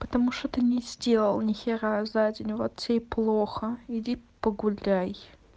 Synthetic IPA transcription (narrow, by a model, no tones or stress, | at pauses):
pə̥t̪ɐmuʂt̪ot̪ənʲɪzʲdʲelˠəlˠnʲɪxʲeɾazadʲɪnʲvot̪sʲejplˠoxəɪdʲipəɡʊlʲaj